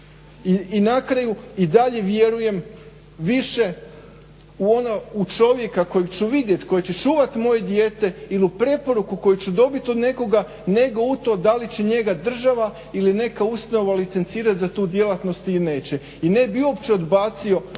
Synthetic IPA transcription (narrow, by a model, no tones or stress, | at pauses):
inakɾajuid̪aʎe̞ʋje̞ɾuje̞m | ʋiʃe̞ | uo̞nout͡ʃo̞ʋje̞kako̞jeɡt͡ɕuʋid̪je̞t̪ko̞jet͡ɕet͡ʃuːʋat̪mo̞je̞d̪je̞ːt̪e̞iliupɾe̞po̞ɾukuko̞jut͡ɕud̪o̞bit̪o̞d̪ne̞ko̞ɡa | ne̞ɡout̪o̞ːd̪alit͡ɕeɲe̞ɡad̪r̩ʒaʋa | iline̞kaust̪ano̞ʋalit̪se̞nt̪siːɾat̪zat̪uːd̪je̞lˠat̪no̞st̪iline̞ːt͡ɕe | ine̞biuopt͡ɕeo̞d̪baːt̪sio̞